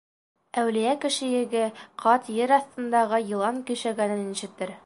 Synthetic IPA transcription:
æwlijækɘ̆ʃɘ̆jɘ̆ɡɘqʰɑt̪jɘɾɑθt̪ɤ̆nd̪ɑʁɤjɤ̆lˠɑŋkɵ̆ʃæɡænɘnniɕɘ̆k̚t̪ːɘɾ

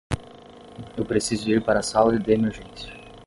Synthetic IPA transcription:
ewpɾesizʊiɾpaɾɐsawdɪd̪eemeɾʒẽsjʊ

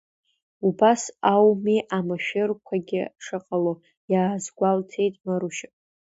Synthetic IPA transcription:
ubasawmiʔamaʃᶣɪrkʷʰaɡʲɪ̰ʂɨqʼalo | jaːzɡʷaltʰe̞jtʼmaɾuʃʼ

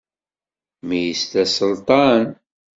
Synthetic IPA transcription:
mijist̪æsəlt̪ˤɑn

